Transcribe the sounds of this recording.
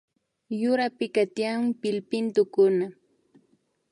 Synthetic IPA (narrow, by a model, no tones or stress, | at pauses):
jʊɾapɪkat̪jampɪlpɪnt̪ʊkʊna